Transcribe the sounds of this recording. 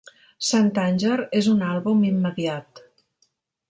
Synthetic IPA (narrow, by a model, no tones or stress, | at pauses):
sant̪anʲʒeɾezunalˠβumimːəðiat̪